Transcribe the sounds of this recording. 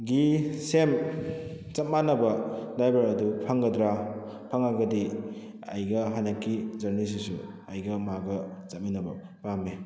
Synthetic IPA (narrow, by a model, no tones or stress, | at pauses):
ɡisem | t͡ʃɐt̚manɐbɐdajbaɾɐdupʰɐŋɡɐdɾa | pʰaŋaɡɐdi | ɐ̰jɡɐɦanɐkːizɐɾnis̬isṵ | ɐjɡɐmaɡɐt͡ʃɐt̚minɐbɐ | pame